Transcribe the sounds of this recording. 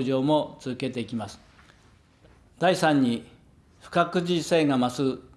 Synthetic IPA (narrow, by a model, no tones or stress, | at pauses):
ʑo̞ːmo̞t͡sɨzɨke̞t̪eikʲimasɨ̥ | d̪aisãɲ̟ːi | ɸɯ̟̥kakɯ̟ʑise̞ːɡamasɨ